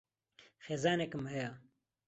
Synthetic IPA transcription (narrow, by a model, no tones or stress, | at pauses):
xeːzaːnekɨmhɐja